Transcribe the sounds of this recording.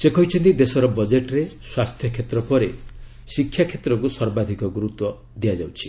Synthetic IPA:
sekɔɦit͡ʃʰɔnt̪id̪esɔɾɔbɔd͡ʒeʈɔɾeswast̪ʰjɔkʰet̪ɾɔpɔɾe | sikʰːjakʰet̪ɾɔkusɔɾbad̪ʱikɔɡɾut̪wɔ | d̪ijad͡ʒawt͡ʃʰi̥

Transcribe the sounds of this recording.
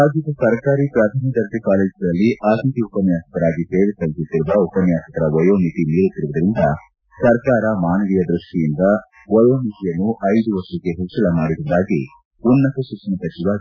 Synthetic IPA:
aːd͡ʒjɐd̪ɐsɐɾkaːɾipɾaːt̪aːnid̪ɐɾd̪ikaːleːd͡ʒd̪ɐlːiʔaːt̪it̪iupɐnjaːsɐ̥kɐɾaːɡise̞ːʋesɐlisut̪ːiɾuʋɐupɐnjaːsɐkɐɾɐʋɔjoːmit̪iniːɾut̪ːiɾuʋud̪ɐɾind̪ɐ | sɐɾkaːɾɐmaːnɐʋijɐd̪ɾuʂʈijind̪ɐ | ʋɔjoːmit̪ijɐnːuʔɐjd̪uʋɐʂuɡe̞ɦet͡ʃːɐlɐmaːɽiɾuɐd̪aːɡi | unːɐt̪ɐsukt͡ʃɐnɐsɐt͡ʃiʋaːɡi

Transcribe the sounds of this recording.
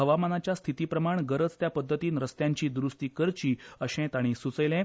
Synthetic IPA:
ɦəʋamanat͡ɕjast̪ʰit̪iːpɾəmaɳɡəɾət͡st̪japəd̪ʱːət̪iːnɾəst̪jaɲt͡ɕiːd̪ɾust̪iːkəɾt͡ɕiːəɕɛ̃t̪aɽ̃isut͡səjlẽɛ̃

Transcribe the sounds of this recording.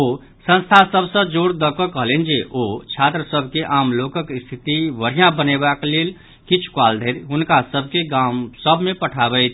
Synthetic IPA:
o | sə̃nst̪ʰasəbʱsə̃d͡ʒoɽd̪əkəkəɦəlend͡ʒeʔot͡ʃʰat̪ɾəsəbʱkeʔamlokəkist̪ʰit̪iʋəɾ̤ijãbənebaklel | kit͡ʃʰu̥kald̪ʱeɾɦunkasəbʱkeɡamsəbʱmepəʈʰabɛt̪ʰ

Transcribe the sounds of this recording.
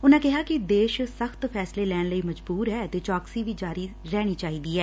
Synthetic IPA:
ʊnãːkɪɦaːkɪd̪eːʃsəxt̪pʰɛːsleːlɛːɽləiːməd͡ʒbuːɾɦɛːt̪eːt͡ʃɔːksiːʋiːd͡ʒaːɾiːɾɛːɽ̃iːt͡ʃaːɦiːd̪iːɛː

